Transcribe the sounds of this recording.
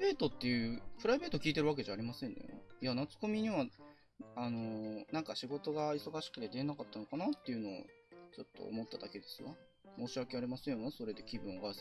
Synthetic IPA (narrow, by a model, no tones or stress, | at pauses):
be̞ːt̪ot̪ːe̞jɯ̟ːpɯ̟ɾaibe̞ːt̪okʲiːt̪̬e̞ɾɯ̟βak̬e̞ʑaːɾimasẽ̞nejo̰najanat͡sɨ̥ko̞mʲiɲ̟iβa | ano̞nãŋkaɕiɡo̞t̪o̞ɡaiso̞ɡaɕi̥kɯ̟̥t̪e̞d̪e̞enakat̪ːanokanat̪ːe̞iɯ̟no̞̰ː | t͡ɕo̞t̪ːo̞̰ːmo̞t̪ːad̪ake̞d̪e̞sɨβa | mo̞ːɕiake̞aɾimasẽnaso̞ɾe̞d̪e̞kʲibɯ̟̃ŋɡa